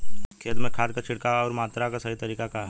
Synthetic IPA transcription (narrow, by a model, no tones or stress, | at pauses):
kʰeːd̪mẽkʰaːd̪kat͡ʃʰɪɽkaɔːɾmaːt̪ɾakasɐɦit̪ɐɾiːkakaɦɛ